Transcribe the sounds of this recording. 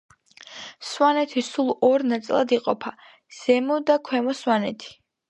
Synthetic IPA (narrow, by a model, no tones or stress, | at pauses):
swanɛt̪ʰisulˠɔɾnat̪sʼlˠa̰d̪iqʼɔpʰa | z̥ɛmɔd̪akʰwɛmɔswanɛt̪ʰi̥